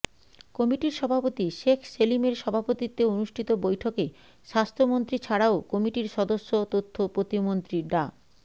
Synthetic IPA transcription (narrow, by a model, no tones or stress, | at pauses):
kɔmiʈiɾʃɔbʱapot̪iʃekʰselimeɾʃɔbʱapot̪it̪ːeonuʃʈʰit̪obojʈʰoke | ʃast̪ʰɾomont̪ɾit͡ɕʰaɽaokɔmiʈiɾʃɔd̪oʃːot̪ot̪ʰːopɾot̪imont̪ɾiɖa